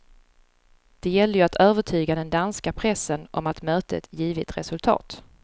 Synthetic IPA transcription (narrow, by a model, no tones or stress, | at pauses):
d̪̥ɛjɛld̪əjɵat̪ʰøːvəʈʰyːɡad̪ɛnd̪anskapʰɾɛsːənʔɔmat̪møːt̪ʰəɛ̰t̪jiːvɪt̪ɾɛsɵlt̪ʰɑ̰ːt̪